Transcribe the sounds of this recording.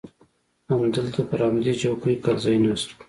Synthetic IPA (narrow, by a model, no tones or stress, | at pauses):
amd̪əlt̪apəɾɑmɪlid͡ʒawkəjkɑlzɑjnas